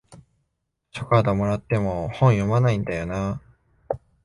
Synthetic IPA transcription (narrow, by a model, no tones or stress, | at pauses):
ɕokad̪omo̞ɾat̪ːe̞mo̞hõ̞ɰ̃jo̞manaĩnd̪ajo̞na